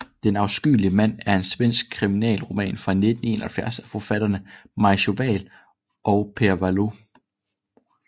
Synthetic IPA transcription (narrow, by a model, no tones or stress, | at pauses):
d̥enɑ̈ʊsɡ̥y̰ːliəmæn̰æɐe̝nsʋen̰sɡ̥̚kʰʁiminɛ̰ːlʁo̝mɛ̰ːnfʁɑ̈ne̝d̥n̩e̝ːnɐhælfjæɐsæfɒfæɾ̥ɐnəmɑ̈ɪɕo̝ʋɛ̰ːl | ʔɒ̽ʊpʰeɐʋælo̝